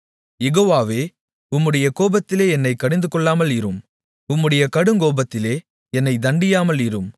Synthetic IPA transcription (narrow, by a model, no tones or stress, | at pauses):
jɛɣoːʋaːʋeː | ʊmːɯɽɐjɐkoːbɐt̪ːɪleːɛnːɐɪkːɐɽɪnd̪ɯkɔɭːaːmɐlɪɾɯm | ʊmːɯɽɐjɐkɐɽɯŋɡoːbɐt̪ːɪleː | ɛnːɐɪd̪ɐɳɖɪjaːmɐlɪɾɯm